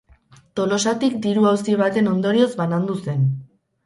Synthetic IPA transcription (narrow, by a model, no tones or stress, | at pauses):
t̪o̞lo̞sat̪ikd̪iɾuawsiβ̞at̪e̞no̞nd̪o̞ɾio̞zbanand̪use̞n